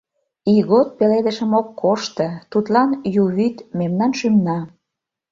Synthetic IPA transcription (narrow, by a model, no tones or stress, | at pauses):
iɣot̪̚peled̪ə̆ʃə̆mokːoʃt̪ə̆t̪ut̪lɑnjuβyt̪memnɑnʃymnɑ